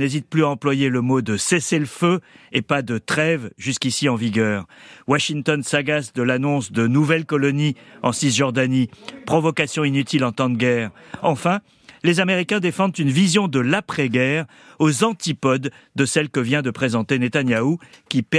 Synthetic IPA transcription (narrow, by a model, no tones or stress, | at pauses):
ezit̪̚plyaɑ̃plwajeləmod̪əseseləføepad̪ət̪χɛvʒyskʲisiɑ̃viɡœːʁwaʃiŋt̪ɔnsaɡasd̪əlanɔ̃sd̪ənuvɛlkɔlɔniɑ̰̃sisʒɔʁd̪anipχɔvɔkasjɔ̃inyt̪ʰilɑ̃t̪ɑ̃t̪ɡʲɛʁɑ̃fɛ̃ | lezameʁikʲɛ̃d̪efɑ̃d̪t̪ynvizjɔ̃d̪əlapχɛɡʲɛʁ | ozɑ̃t̪ipɔd̪ːəsɛlkəvjɛ̃d̪əpχezɑ̃t̪enet̪anjaukʲipɛ